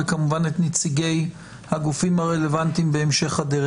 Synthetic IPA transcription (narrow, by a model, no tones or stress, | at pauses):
kamuvanetnit͡siɡe̞j | haɡufimhaʁele̞vant̪imbeemʃe̞χadeʁ